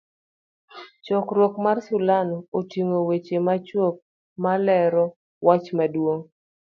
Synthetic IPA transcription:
t͡ʃɔkɾwokmarsulanɔːtiŋowet͡ʃemat͡ʃwok̚ | malɛɾɔ | wat͡ʃmadwoŋ

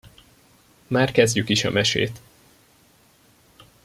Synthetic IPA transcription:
maːrkɛzɟykiʃɒ̰mɛʃḛːt̪

